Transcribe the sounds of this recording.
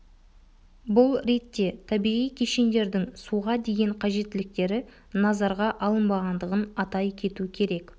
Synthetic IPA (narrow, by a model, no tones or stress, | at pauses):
bʊlˠɾet̪ːe̞t̪ʰɑbiʁijkʲʰe̞ʃe̞nd̪e̞ɾd̪ɪŋsuʁɑd̪e̞ɡʲe̞ɴqʰɑʒe̞t̪ːɪlɪk̚t̪e̞ɾɪ | nɑzɑɾʁɑʔɑlˠənbɑʁɑnd̪əʁənɑt̪ɑjkʲʰe̞t̪ukʲʰe̞ɾe̞k